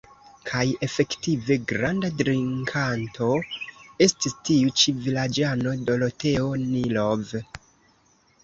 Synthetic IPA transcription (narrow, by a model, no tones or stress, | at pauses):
kʰaje̞fe̞ktive̞ɡɾandadɾiŋkʰantʰo̞e̞stistiut͡ʃivilad͡ʒano̞do̞lo̞te̞o̞nilov